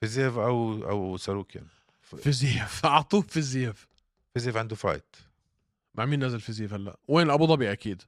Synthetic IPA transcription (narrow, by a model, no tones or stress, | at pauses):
fizeːvʔawʔa̰wsaɾuːkʰɪ̰n | fiziːfʕɑt̪ˤuːffiziːf | fiziːfʕand̪ʊfɑ̰ːjt̪ | maʕmiːnːæzalfiziːfhalːæ̰ʔweːnʔæbuːd̪ˤɑbiːʔakiːd̪